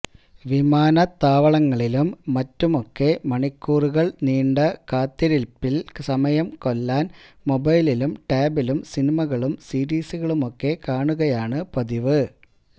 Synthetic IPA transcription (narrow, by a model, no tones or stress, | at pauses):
ʋimaːnɐt̪aːʋɐɭɐŋːɐɭilumːɐtːumo̞kːe̞mɐɳikːuːruɣɐɭniːɳɖɐkaːt̪ːiɾilpilsɐmɐjɐmko̞lːaːnmo̞bɐjlilumʈeːbilumsinimɐɣɐɭumsiːɾiːsɨɣɐɭumo̞kːe̞kaːɳuɣɐjaːɳɨpɐðiʋɨ